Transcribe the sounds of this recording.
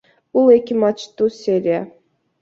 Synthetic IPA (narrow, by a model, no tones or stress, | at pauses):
bulˠekʲimɑt͡ʃt̪usʲeɾʲia